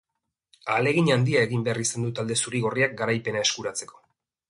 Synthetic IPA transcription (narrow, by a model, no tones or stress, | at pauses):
ale̞ɣiɲand̪iae̞ɣimbearisand̪ut̪ald̪e̞suɾiɣo̞riak̚ɡaɾajpe̞nae̞skuɾat͡se̞ko̞̥